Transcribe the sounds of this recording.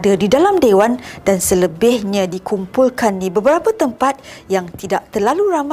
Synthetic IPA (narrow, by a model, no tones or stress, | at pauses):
dədidalamdewandansələbɪhɲãdikumpulkanːibəbəɾapət̪əmpat̪̚jaŋt̪idaʔ̚t̪ərlaluɾam